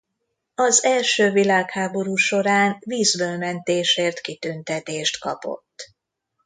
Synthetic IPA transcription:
ɒzɛlʃøːvilaːkhaːbo̞ɾuːʃo̞ɾaːnviːzbølmɛnt̪eːʃeːrt̪kit̪ynt̪ɛt̪eːʃt̪kɒpo̞̰t̪ː

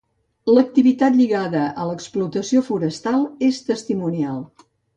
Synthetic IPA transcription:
lək̚t̪iβit̪at̪ʎiɣaðəʔələksplut̪əsiofuɾəst̪alˠest̪əst̪imunialˠ

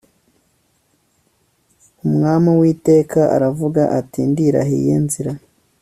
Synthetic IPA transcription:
umŋaːmawiːte̞ːkaʔa̰ɾavuɡaʔatindiɾa̰ɦḛjḛːnziɾa

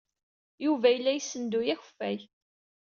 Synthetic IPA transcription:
juvæjəlːæjsːənd̪ujæçə̥fːæ̰j

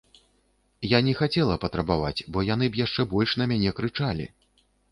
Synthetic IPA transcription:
janʲɛxat͡sʲɛlˠɐpɐt̪ɾɐbava̰t͡sʲbɔjan̪ɨbjaʂt͡ʂɛbɔlʲʂn̪ɐmʲanʲɛkɾɨt͡ʂalʲḭ

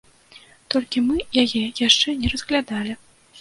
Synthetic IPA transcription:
t̪ɔlʲkʲimɨjajɛjaʂt͡ʂɛnʲɛɾɐzɣlʲad̪alʲi

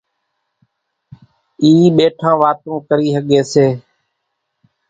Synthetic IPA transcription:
iːɓeːʈʰãːʋaːt̪õːkəɾiːɦəɠeːseː

